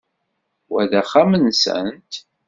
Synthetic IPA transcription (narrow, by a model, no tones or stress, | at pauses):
wæðæχamənsə̰nt̪